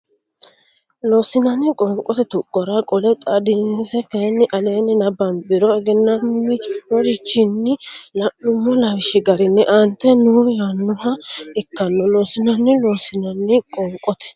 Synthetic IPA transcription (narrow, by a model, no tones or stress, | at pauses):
loːsɪnɐnːɪkʼɔŋkʼɔt̪ɛt̪ʊkʼːɔɾɐkʼɔlɛt̪ʼɐd̪ɪnsɛkɐjnːɪʔɐleːnɪnɐbɐnbɪɾɔɛɡɛnːɐmːɪɾɔd͡ʒɪt͡ʃːɪnːɪlɐʔʊmːɔlɐwɪʃɪɡɐɾɪnːɛʔɐnt̪ːɛnujanːʊhɐɪkːɐnːɔloːsɪnɐnːɪloːsɪnɐnːɪkʼɔŋkʼɔt̪ɛ̥